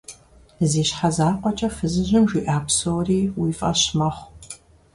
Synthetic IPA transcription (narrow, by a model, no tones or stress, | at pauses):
ziːɕħazaːqʷɔt͡ʃʼɐfɨzɨʑɪmʒʷiːʔaːkʷsowriːwiːfʼɐɕmɐχʷ